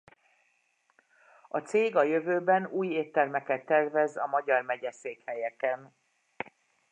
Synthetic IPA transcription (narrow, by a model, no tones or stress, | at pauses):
ɒt̪seːɡɒjøvøːbɛnuːjeːt̪ːɛrmɛkɛt̪ːɛrvɛzɒmɒɟɒrmɛɟɛseːkhɛjɛkɛn